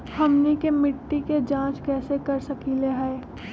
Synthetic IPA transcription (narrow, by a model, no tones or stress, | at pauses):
hɐmnikemɪʈːiked͡ʒãːt͡ʃkɛːsekɐɾsɐkileɦaː